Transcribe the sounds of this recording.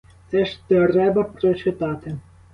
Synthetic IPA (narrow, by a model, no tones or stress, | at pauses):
t̪sɛʃt̪rɛbɐpɾɔt͡ʃɪt̪at̪ɪ